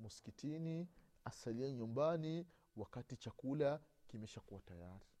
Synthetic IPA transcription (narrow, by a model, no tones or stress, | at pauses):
muskitiniasaliɛɲumbani | wakatit͡ʃakula | kimɛʃakuwatajaɾi